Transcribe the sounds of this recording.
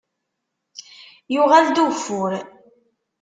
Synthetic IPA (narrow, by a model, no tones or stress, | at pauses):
jʊʁæld̪ufʊɾ